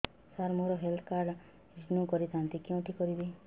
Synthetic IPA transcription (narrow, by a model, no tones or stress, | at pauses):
saɾmoɾɔɦelt̪ʰkaɾɖ | iʈnũkɔɾit̪ant̪ikɔ̃ʈʰikɔɾid̪i